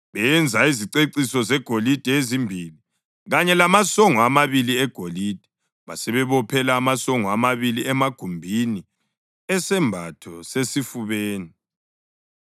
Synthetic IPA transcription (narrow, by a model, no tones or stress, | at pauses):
βɛjɛnd͡zʱaiziǀeǀisɔzɛɡ̥ʱolid̥ʱɛezimbʱili | ɣaɲɛlamasɔŋɔamaβiliɛɡ̥ʱolid̥ʱɛ̥ | βasɛβɛβɔpʰɛlaːmasɔŋɔamaβiliɛmaɡ̥ʱumbʱini | ɛsɛmbʱatʰɔsesifuβeːni